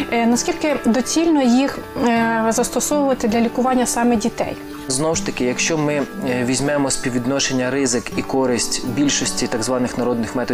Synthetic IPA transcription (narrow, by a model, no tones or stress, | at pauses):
nɐskʲilʲkɪd̪ɔt͡sʲilʲnɔjix | zɐst̪ɔsɔʋʊʋɐt̪ɪd̪lʲɐlʲikʊʋɑnʲːɐsɑmɛdʲit̪ɛ̰j | znɔwʃt̪ɐkɪjɐkʃt͡ʃɔmɪʋʲizʲmɛmɔsʲpʲiʋʲid̪nɔʃenʲːɐɾɪzɪkikɔɾɪsʲtʲbʲilʲʃɔsʲtʲit̪ɐɡzʋɑnɪxnɐɾɔd̪nɪxmɛt̪ɔ